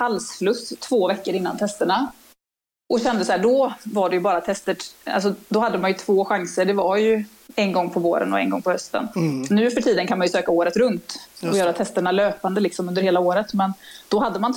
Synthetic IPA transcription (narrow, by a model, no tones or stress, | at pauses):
halsflɵst̪ʰːvoːvɛkːəɾɪnːa̰nt̪ʰɛst̪əɳa | ʔɔɕɛnd̪əsaæːɖɔvaɖɛjɵbɑːɾat̪ʰɛst̪əʈa̰ls̬ɔd̪ɔhad̪ːəmanjɵt̪ʰvoːɧaŋsəɖɛvaɾjɵ | ɛnɡɔŋːpʰɔvo̰ːɾə̰nɔɛ̰nɡɔ̰ŋpʰɔhœst̪ə̰nnʉ̟ːfœʈʰiːd̪ənkʰanmanjɵsøːkaoːɾət̪ɾɵnt̪ɔjœːɾat̪ʰɛst̪əɳaløːpand̪əlɪksɔmɵnd̪əɾheːlaoːɾət̪mɛnd̪̥ɔɦad̪ːəman